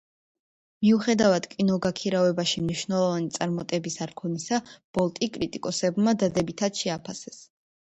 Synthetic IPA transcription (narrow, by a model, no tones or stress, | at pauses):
miuχɛd̪avad̪̥kʼinɔɡakʰiɾavɛbaʃimniʃvnɛlˠɔvanit̪sʼaɾmɔt̪ʼɛbisaɾkʰɔnisab̥ɔlˠt̪ʼikʼɾit̪ʼikʼɔsɛbmad̪ad̪ɛbit̪ʰad̪ʃɛapʰasɛs